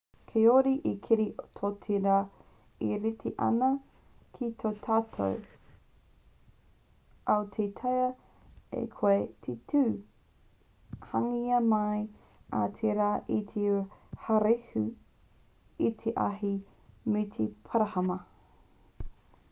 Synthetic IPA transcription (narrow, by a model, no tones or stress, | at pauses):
kʰeoɾiʔikʰiɾit̪ʰotʰiɾa | iɾitʰeʔɐ̰nɐ | kʰitʰot̪ʰaːtʰo̰w | ɐwt̪ʰet̪ʰɐjɐ | ḛkʰoetʰetʰʉː | hɐŋiɐmɐj | a̰t̪ʰeɾaːʔit̪ʰehɐɾehʉ | it̪ʰeʔa̰ɦi | mit̪ʰepʰaɾɐhɐmɐ